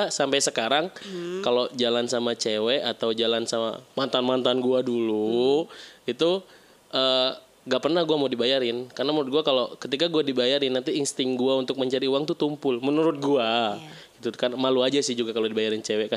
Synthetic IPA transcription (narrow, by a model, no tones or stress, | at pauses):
sampajsəkaɾaŋkalod͡ʒalansamat͡ʃewɛʔat̪awd͡ʒalansama̰mant̪anmant̪anɡuadulu | it̪u | əː | ŋɡaʔpərnahɡuamawdibajaɾɪnkarnamənuɾʊt̪̚ɡuakalokət̪ikaɡuadibajaɾɪnːant̪iːnst̪ɪŋɡuaunt̪ʊk̚məɲt͡ʃaɾiuwaŋt̪ut̪umpʊlmənuɾʊt̪̚ɡua | ɡit̪ukamaluad͡ʒasɪhd͡ʒuɡakalodibajaɾɪnt͡ʃewɛka